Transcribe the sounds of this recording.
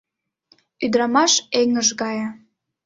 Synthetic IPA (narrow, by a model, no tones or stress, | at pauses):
yd̪ɾɑmɑʃeŋəʒɣɑjə